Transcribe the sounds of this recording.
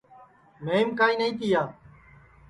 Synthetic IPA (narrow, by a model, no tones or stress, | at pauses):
meːmkaːĩːnəĩːt̪iːjaː